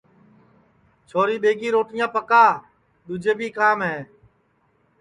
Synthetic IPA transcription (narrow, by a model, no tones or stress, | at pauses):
t͡ʃʰoːɾiːɓeːɡiːɾoːʈɪjãːpəkaː | ɗ̪ʊd͡ʒeːbʱiːkaːmɦeː